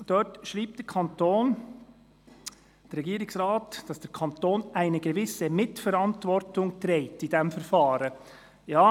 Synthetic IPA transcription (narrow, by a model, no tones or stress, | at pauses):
d̥ɔtʃʁiːp̚t̚d̥ɛkʰɑntoːn | d̥ɛɾɛɡiːɾɪksʁaːtd̥ɑsd̥ɛɾkʰɑntoːnʔaɪnəɡəvɪsəmɪtfɛɾɑntvɔɾtʊŋtɾeɪtɪdɛmfɛɾfɑːɾə | jaː